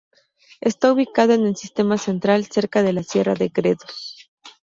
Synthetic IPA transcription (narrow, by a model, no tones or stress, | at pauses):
e̞st̪auβikaðoenelsist̪e̞mase̞nt̪ɾalse̞ɾkað̞e̞lasje̞raðekɾe̞ðos